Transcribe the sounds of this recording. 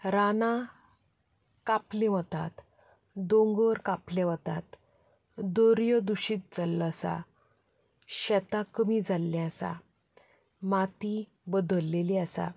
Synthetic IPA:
ɾanã | kapleʋət̪at̪ | d̪õŋɡəɾkaplẽʋət̪at̪ | d̪ɔɾjəd̪uɕiːt̪̚d͡zalːɔasa̰ | ɕɛt̪akəmid͡zalːɛ̃asa̰ | mat̪i | bəd̪əlːeliasa̰

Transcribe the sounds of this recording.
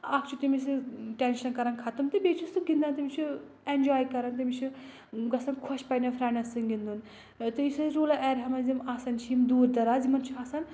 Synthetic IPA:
aːkʰt͡ʃʰut̪imis̬ɨʈenʃɐnkɐɾɐnkʰɐt̪ɨmt̪ɨbeːt͡ʃʰusɨmɡind̪ant̪imit͡ʃʰu | end͡ʒaːjkɐɾɐnt̪imit͡ʃʰi | ɡɐsɐnkʰɔʃpɐnʲɐfʰɾaːnɐsɨnɡind̪un | t̪ɨisɐɾoːlaʔɛːɾɦɐmɐzimaːsɐnt͡ʃʰiimd̪uːɾd̪ɐɾaːzimɐnt͡ʃʰiaːsan

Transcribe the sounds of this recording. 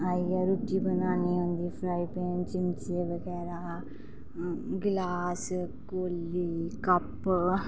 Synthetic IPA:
ɐjaɾuʈːibɐnaːniʋɐnd̪ifɾɐjpeːnt͡ʃimt͡ʃeʋɐɡɛːɾa | ɡlaːskolːikɐpː

